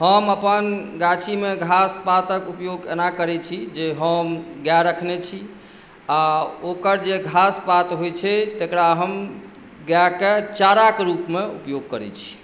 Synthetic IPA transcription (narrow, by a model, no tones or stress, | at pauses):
ɦəməpənɡat͡ʃʰimeɡʱaspat̪əkupjoɡḛnakəɾɛt͡ʃʰid͡ʒeɦəmɡjaɾəkʰnet͡ʃʰi | aokəɾd͡ʒeɡʱaspat̪ɦojt͡ʃʰɛt̪ekɽaɦəm | ɡjaket͡ʃaɾakɾupmeṵpjoɡ̚kəɾɛ̰t͡ʃʰi̥